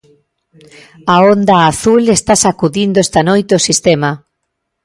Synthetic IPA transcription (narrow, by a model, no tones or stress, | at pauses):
aond̪aːθulest̪asakuðind̪oest̪anojt̪eosist̪ema